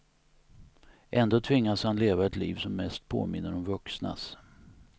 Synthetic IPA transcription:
ʔɛnd̪oːt̪ʰvɪŋːashanleːvaɛt̪lḭːvsɔmːɛst̪̚pʰo̰ːmɪnːəɾɔmvɵksna̰s

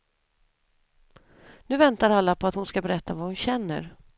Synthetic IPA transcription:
nʉ̟ːvɛnt̪aɾalːapʰɔat̪hʊnskabɛɾɛt̪ːavahʊnɕɛnːə̰ɾ

